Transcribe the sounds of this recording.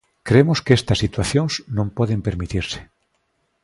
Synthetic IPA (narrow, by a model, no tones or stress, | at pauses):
kɾemoskeest̪asːit̪waθjõŋznõmpɔðempeɾmit̪iɾse̥